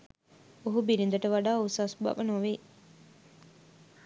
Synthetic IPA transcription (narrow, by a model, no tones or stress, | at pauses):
oɦubilind̪əʈəʋaɖaːusaːsuba̰bənoʋe